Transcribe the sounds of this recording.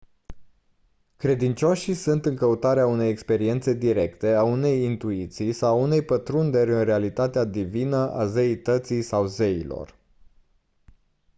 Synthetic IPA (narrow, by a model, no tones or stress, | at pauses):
kɾe̞d̪int͡ʃo̞ʃisunt̪ɨŋkəut̪aɾeaune̞jekspe̞ɾie̞nt̪se̞d̪iɾe̞kt̪e̞aune̞jint̪uit̪sijsawaune̞jpət̪ɾund̪eɾʲɨnrealit̪at̪ead̪ivinəʔa̰zeit̪ət̪sijsawzeilo̞̰r